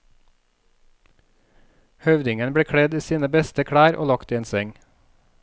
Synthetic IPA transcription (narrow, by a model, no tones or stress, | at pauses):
hœʋd̪ɪŋənbɽeːkʰɽɛd̪iːsiːnəbɛst̪əkʰɽæːɾʔo̰ːlɑkt̪iːeːnsɛŋ